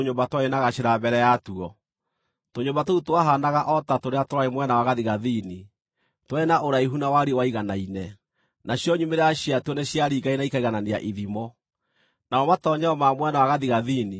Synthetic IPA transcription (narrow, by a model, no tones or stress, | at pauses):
oɲombatwaenaɣaɕeɾabɛɾɛjatuɔ | toɲombatoutwaɦanaɣaʔɔtatoɾeatoɾaemwɛnawaɣaðiɣaðini | twaenaʔoɾaiɦunawaɾewaiɣanainɛ | naɕjɔɲumeɾaɕiatuɔneɕjaɾiɡainaikaiɣananea̰ʔiðimɔ | naɔmatɔɲɛɔmamwɛnawaɣaðiɣaðini